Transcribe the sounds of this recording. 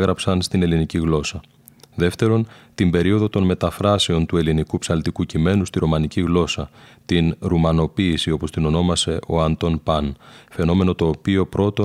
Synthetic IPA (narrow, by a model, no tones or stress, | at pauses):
ɣɾɐpsɐnst̪ine̞liniciɣlo̞sɐ | ðe̞ft̪e̞ɾo̞nt̪imbe̞ɾio̞ðo̞t̪o̞nme̞t̪ɐfɾɐse̞o̞nt̪ue̞linikupsɐlt̪ikucime̞nust̪iɾo̞mɐniciɣlo̞sɐt̪inɾumɐno̞piːsio̞po̞st̪ino̞no̞mɐse̞ʔo̞̰ɐnt̪o̞npɐnfe̞no̞me̞no̞t̪o̞ːpio̞pɾo̞t̪o̞